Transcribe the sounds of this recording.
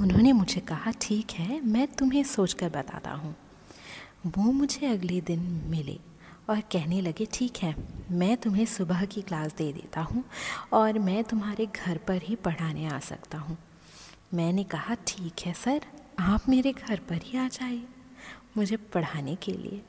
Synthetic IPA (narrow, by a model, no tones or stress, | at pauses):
ʊnɦõːnemʊd͡ʒʱekɐɦaʈʰiːkɦɛmɛ̃ːt̪ʊmɦẽsoːt͡ʃkɐɾbɐt̪a̰ːt̪a̰ɦũː | ʋoːmʊd͡ʒʱeɐɡled̪ɪnmɪlḛː | ɔːɾkɛɦnelɐɡeʈʰiːkɦɛːmɛ̃ːt̪ʊmɦẽsʊbəɦkiklaːsd̪eːd̪ḛːt̪aɦũɔːɾmɛ̃ːt̪ʊmɦaːɾeɡʱɐɾpɐɾɦipɐɽ̤aːnea̰ːsɐ̰kt̪aɦũː | mɛ̃ːnekɐɦaʈʰiːkɦɛsɐɾaːpmeːɾeɡʱɐɾpɐɾɦiaːd͡ʒaːiemʊd͡ʒʱepɐɽ̤aːnekḛlḭḛː